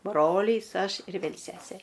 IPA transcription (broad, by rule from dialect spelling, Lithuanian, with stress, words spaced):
ˈbroːlʲiːs ˈɐʃ ɪr ˈʋʲeːlˠ ˈsʲæːsʲeː